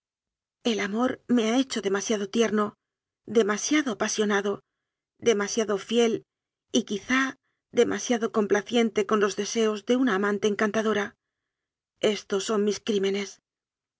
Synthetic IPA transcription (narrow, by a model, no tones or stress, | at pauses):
e̞lamo̞ɾme̞ae̞t͡ʃo̞ðe̞masjaðo̞t̪je̞ɾno̞ | ðe̞masjaðo̞apasjo̞naðo̞ | d̪e̞masjaðo̞fje̞l | ikiθa | ðe̞mʔasjaðo̞ko̞mplaθje̞nt̪e̞ko̞nlo̞zðe̞se̞o̞zðe̞unaːmãnt̪e̞ːŋkant̪aðo̞ɾa | e̞st̪o̞sːo̞nmiskɾime̞ne̞s